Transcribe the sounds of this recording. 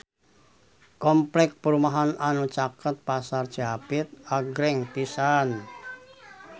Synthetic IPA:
kɔmplɛk̚pəɾumaɦananut͡ʃakət̪̚pasard̥ʒ̥apɪt̪̚aɡɾɛŋpisan

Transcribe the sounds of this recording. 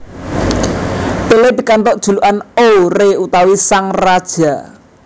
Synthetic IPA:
t̪eled̪̥i̤kant̪ɔʔd̥ʒ̥ṳluʔanoreut̪awisaŋrad̥ʒ̥a̤

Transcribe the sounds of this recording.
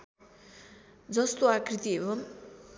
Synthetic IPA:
d͡zʌst̪oakrit̪iebʌm

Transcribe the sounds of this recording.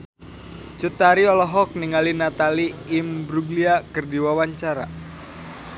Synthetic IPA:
t͡ʃut̪aɾiɔlɔɦɔk̚niŋalinat̪aliːmbɾuɡliakərdiwawaɲt͡ʃaɾa̰

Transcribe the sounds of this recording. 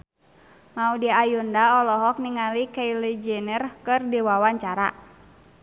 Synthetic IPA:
maudiajundaɔlɔɦɔk̚niŋalikailid͡ʒɛnərkɨrdiwawaɲt͡ʃaɾa̰

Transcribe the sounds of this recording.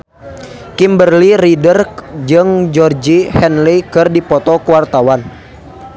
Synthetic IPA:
kimbərliɾidərd͡ʒɨŋd͡ʒɔrd͡ʒihɛnlikɨrdipɔt̪ɔkuwart̪awan

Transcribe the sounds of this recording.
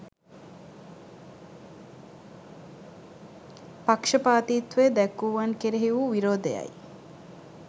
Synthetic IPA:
pakʂəpaːt̪iːt̪ʋed̪ɛkːuʋankeɾeɦiʋuʋiɾoːd̪ejɐ̰j

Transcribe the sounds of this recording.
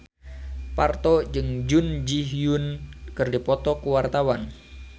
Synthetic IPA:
part̪ɔd͡ʒɨŋd͡ʒund͡ʒiɦjunkɨrdipɔt̪ɔkuwart̪awan

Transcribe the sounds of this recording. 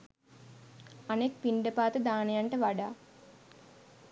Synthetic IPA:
anek̚piɳɖəpaːt̪əd̪aːnejaɳʈəʋaɖaː

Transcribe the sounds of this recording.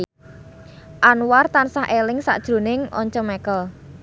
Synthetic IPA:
ʔanwart̪ansaɦʔelɪŋsa̰ʔd̥ʒ̥ɾo̤nɪŋʔɔ̰ɲt͡ʃɔmɛkəl

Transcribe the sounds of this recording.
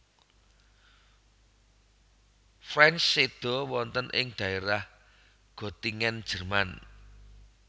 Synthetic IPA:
fɾɛnt͡ʃːed̪̥ɔ̤wɔnt̪ənʔɪŋɖ̥ä̤eɾah | ɡ̥ɔ̤t̪iŋɛnd̥ʒ̥ə̤rman

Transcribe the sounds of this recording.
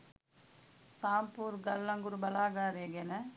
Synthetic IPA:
saːmpuːɾɡɐlːɐŋɡuɾubɐlaːɡaːɾeɡenɐ

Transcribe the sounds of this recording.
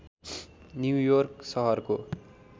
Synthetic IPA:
njujʌrksʌɦʌrko

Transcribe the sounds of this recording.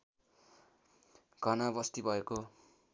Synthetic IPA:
ɡʱʌnabʌst̪ibʱʌeko

